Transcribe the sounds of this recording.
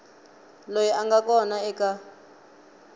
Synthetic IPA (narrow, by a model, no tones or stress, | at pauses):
lojiʔaŋɡakʼɔnaɛka